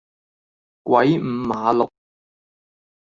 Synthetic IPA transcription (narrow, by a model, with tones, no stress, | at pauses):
kwʔɐ˨˥jm̩˨˩maː˨˧lʊ˨k̚